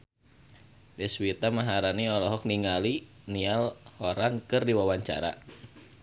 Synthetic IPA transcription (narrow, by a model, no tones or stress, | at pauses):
dɛswit̪amaɦaɾaniɔlɔɦɔk̚niŋali | nialhɔɾankɨrdiwawaɲt͡ʃa̰ɾa̰